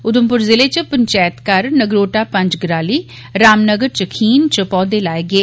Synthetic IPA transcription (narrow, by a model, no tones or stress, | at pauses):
ʊd̪əmpʊɾzɪleːt͡ʃəpəɲt͡ʃɛːjət̪kəɾnəɡɾoːʈaːpə̃ɲd͡ʒɡɾaːliː | ɾaːmnəɡəɾt͡ʃəkʰiːnt͡ʃəpɔːd̪eːlaːeɡeː